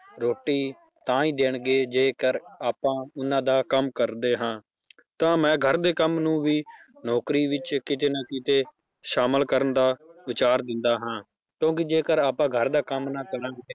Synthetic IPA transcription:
ɾoːʈːiː | t̪ãːĩːd̪eːɳɡeːd͡ʒeːkəɾaːpãːʊnãːd̪aːkəmkəɾd̪eːɦãː | t̪ãːmɛ̃ːɡʱəɾd̪eːkəmnũːʋiːnɔːkɾiːʋɪt͡ʃkɪt̪̬eːnaːkɪt̪eː | ʃaːməlkəɾənd̪aːʋɪt͡ʃaːɾd̪ɪnd̪aːɦãː | kjõːk̬ɪd͡ʒeːkəɾaːpãːɡʱəɾd̪aːkəmnaːkəɾãːɡeː

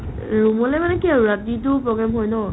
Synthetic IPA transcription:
ɹumɔlɛmanɛkiaɹatitʊpɹɔɡɹamɦojnɔ

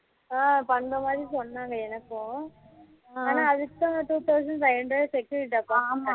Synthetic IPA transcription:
aːpɐnd̪ɐmaːd̪ɾisɔnːaːŋɡɐɛnɐkːʊ̃ | aːnaːɐðɯkːɐ̃ʈuːt̪ɐʊs̬ɐɳɖnɐɪɐɳɖɾɐsɛkːɐɪʈːɐpːaːa

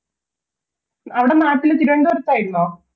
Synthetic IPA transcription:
ɐʋiɽe̞naːʈːilt̪iɾueɳɖɨʋɐɾɐt̪ːaːjiɾunːoː

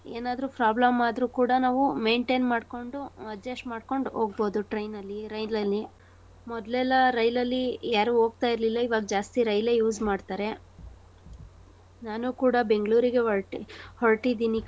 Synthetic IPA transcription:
ḛːnaːd̪ɾupɾaːblɐmaːd̪ɾuːkuːɽɐnaːʋume̞ːɳʈe̞ːnmaːɖko̞ɳɖuɐd͡ʒesʈmaːɽko̞ɳɖo̞ːɡ̚bo̞ːd̪uʈɾɐjnɐlːiɾɐjlɐlːi | mɔd̪lɛlːɐɾɐjlɐlːijaːɾuɦo̞ːɡ̚t̪aːjiɾlilːɐiʋaːɡɐd͡ʒaːst̪iɾɐjle̞juːzmaːɖt̪aːɾe̞ | naːnuːkuːɽɐbe̞ŋɡɭuːɾiɡeɦɔɭʈihoɭʈid̪iːni

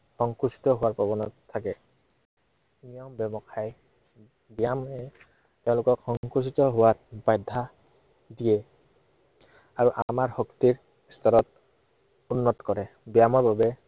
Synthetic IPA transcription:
xɔŋkusi̥tɔɦʊwaɹpɹɔbɔnɔt̪ʰːakɛ | nijɔmbjɔbɔkʰaj | bijamɛ | teʊ̃lʊkɔkxɔŋkusitɔɦʊwaɹbajdʱːa | dijɛ | aɹuʔamaɹhɔkt̪iɹ | istɔɹɔt | unːɔtkɔɹɛ | bijamɔɹbabɛ

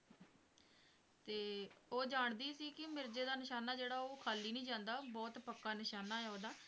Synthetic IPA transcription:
t̪eːoːd͡ʒaːɳd̪iːsiːkɪmɪɾd͡ʒeːd̪aːnɪʃaːnaːd͡ʒeːɽaːoːkʰaːliːnĩːd͡ʒãːnd̪aːbɔːt̪pəkːaːnɪʃaːnaːɛoːd̪aː

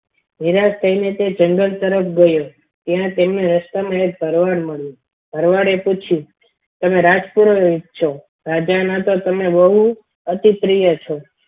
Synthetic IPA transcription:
niɾast̪ʰəinet̪ed͡ʒəŋɡəlt̪əɾəpʰɡəjo | t̪jãt̪emneɾəst̪amãek̚bʱəɾʋaɾməɭjũ | b̥ʱəɾʋaɾeput͡ʃʰũ | t̪əmeɾad͡ʒpuɾoit̪̚t͡ʃʰo | ɾad͡ʒanat̪ot̪əmebəɦu | ət̪ip̪ɾijət͡ʃʰo

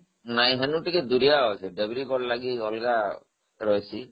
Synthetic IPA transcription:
naj̃ɦenuʈiked̪uɾijaɦɔjsʰiɖebɾikɔɽlaɡiɔlɡa | ɾɔjsʰi

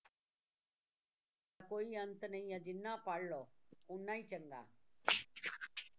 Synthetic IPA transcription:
akoːiɐ̃nt̪nɐĩãd͡ʒɪnːãpaːɽ̤loːʊnːaːĩt͡ʃɐŋɡa̰ː

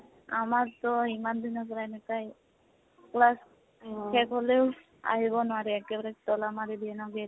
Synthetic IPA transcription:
a̰maɾt̪ɔimand̪ʱinɔkɔɾajnɛkaj | klas | kʰɛkɦolew | a̰ɦibɔnɔaɾiɛkebaɾekt̪ɔlamaɾid̪iɛnɔɡe

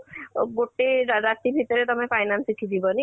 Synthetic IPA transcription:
ɡoʈeɾat̪ibʱit̪ɔɾet̪ɔmefajnansiʈʰid̪ʱibɔni

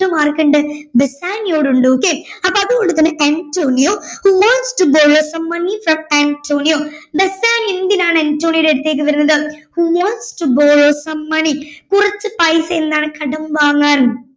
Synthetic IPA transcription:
umaːrkɐɳɖɨbesaːnjo̞ːɽuɳɖɨok̬ːeːɐpːoːɐðuɣo̞ɳɖɨt̪ɐnːɨʔantoːnijoːhumaːnsʈɨboːɻoːsɐmːɐnifrɐmaːɳtʰoːnijoːbesaːniend̪inaːɳɨɐntːoːɳijɽeɽut̪ːe̞ːk̬ːɨʋɐɾunːɐðɨhumaːnsʈuboːɻoːsɐmːɐɳikurɐt͡ɕːɨpɐjse̞nːaːɳɨkɐɽɐmʋaːŋːaːn

